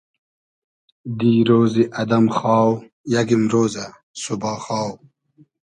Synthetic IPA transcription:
d̪iːɾoːziʔɐd̪ɐmχɑːw | jɐɡimɾoːzɐ | subɑːxɑːw

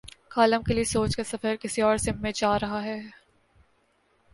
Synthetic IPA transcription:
kaːləmkeliesoːt͡ʃkasɐfəɾkɪsiɔːɾsɪ̃mːẽd͡ʒaːɾɐɦaɦɛː

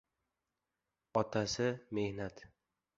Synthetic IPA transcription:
ɒt̪ʰasɪme̞hnat̪

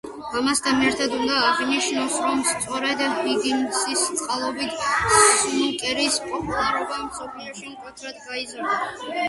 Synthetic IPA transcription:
amast̪ʰanɛɾt̪ʰad̪und̪aːʁniʃnasɾɔmst̪sʼɔɾɛd̪hiɡiŋɡsist̪sʼqʼalˠɔbit̪ʰ | mukʼɛɾispʼɔpʼulˠaɾɔbamsɔpʰliɔʃimkʼɔt̪ʰɾad̪ɡaizɔɾna

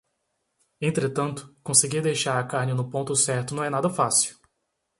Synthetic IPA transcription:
ẽnt̪ɾet̪ɐ̃nt̪ʊ̥kõseɡiɾd̪ejʃaɾɐkaɾnɪnʊpõnt̪ʊsɛɾt̪ʊnɐ̃w̃ɛnad̪ɐfasiw

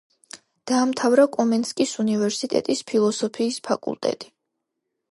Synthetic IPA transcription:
d̪̥aːmt̪ʰavɾakʼɔmɛnskʼisunivɛɾsit̪ʼɛ̰t̪ʼispʰilˠɔsɔpʰiːspʰakʼṵlˠt̪ʼɛ̰t̪ʼi̥

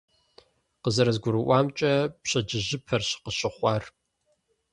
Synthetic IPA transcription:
qəzɐɾɐzɡʷʊɾɨʔʷɑːmt͡ʃʼɐpɕɐd͡ʒɪʑɪpʰɐrɕɪ̥qəɕɪχʷɑːr

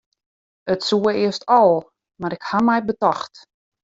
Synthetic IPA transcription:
ətsuəɪəstʰɔlˠ | maɾɪkhamɛjbətɔxt

